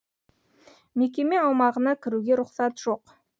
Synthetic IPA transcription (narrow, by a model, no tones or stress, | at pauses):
mek̬ʲe̞me̞ɑwmɑʁənɑkʲʰɪɾuɡʲe̞ɾʊqsɑt̪ʒ̥o̞q